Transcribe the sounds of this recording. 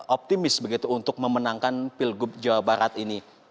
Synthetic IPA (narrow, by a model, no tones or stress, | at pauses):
op̚t̪imɪsbəɡit̪uunt̪ʊk̚məmənaŋkanpɪlɡʊp̚d͡ʒawabaɾat̪ini